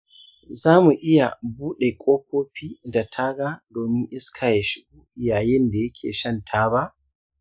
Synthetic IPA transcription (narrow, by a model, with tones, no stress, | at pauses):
zaː˦mu˨ʔɪ˦ja̰˨buː˦ɗe˨kʷʼoː˦k̚oː˦ɸiː˦da˨tʰaː˦ɡaː˦doː˨mɪ˦ŋʔɪ˦skʰaː˨ja˨ʃɪ˨ɡu˦ʔɪ˨jaː˨jɪ˦nda˨jɐ˦kʲʰḛː˨ʃɐ˦ntʰaː˦ba˦ʔ